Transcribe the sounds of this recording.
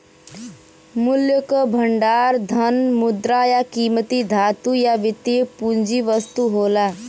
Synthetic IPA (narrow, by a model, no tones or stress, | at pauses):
muljəkəbʱəɳɖaːɾd̪ʱənmud̪ɾajakiːmət̪iːd̪ʱaːt̪ujaʋit̪epuɲd͡ʑiːʋəst̪uɦola